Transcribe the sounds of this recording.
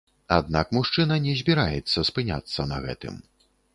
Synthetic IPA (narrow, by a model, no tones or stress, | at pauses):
a̰d̪̚nakmuʂt͡ʂɨnɐnʲɛzʲbʲiɾajɛt̪sːɐspɨnʲa̰t̪sːɐnɐ̰ɣɛ̰t̪ɨ̰m